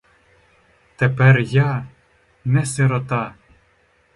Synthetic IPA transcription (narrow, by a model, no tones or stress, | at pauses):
t̪ɛpɛrja | nɛseɾot̪ɑ